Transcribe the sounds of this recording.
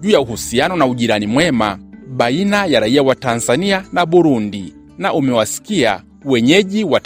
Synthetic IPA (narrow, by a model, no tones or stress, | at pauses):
ʄuːjauhusianɔnauʄiɾanimwɛmaɓainajaɾaiawatanzanianaɓuɾundi | naʔumɛwasi̥kia̰ | wɛɲɛʄiwa